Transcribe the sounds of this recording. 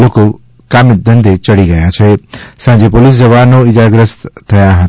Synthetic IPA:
loːko | kaːmɪt̪̚d̪ə̃nd̪ʱet͡ʃəɽiɡɐjãt͡ʃʰesãːd͡ʒepolis̬d͡ʒɐʋaːnoɪd͡ʒaːɡɾəst̪t̪ʰːɐjãɦə

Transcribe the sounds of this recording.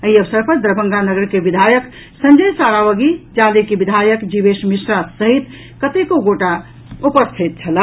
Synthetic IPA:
əɦiəbəsəɾpəɾd̪ɾəbə̃ŋɡanəɡəɾkebid̪ʱajək | sə̃nd͡ʒəjsaɾaʋəɡid͡ʒalekibid̪ʱajəkd͡ʒibesmisɾasəɦit̪ | kət̪ekoɡoʈa | upəst̪ʰit̪̚t͡ʃʰəla

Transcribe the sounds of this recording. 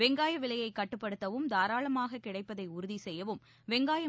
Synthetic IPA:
ʋɛŋɡaːjɐʋɪɭɐjɐɪkːɐʈːɯpːɐɽɯt̪ːɐʋɯmd̪aːɾaːɭɐmaːɣɐkɪɽɐɪpːɐðɐɪʊɾɯðisɛjːɐʋɯm | ʋɛŋɡaːjɐ

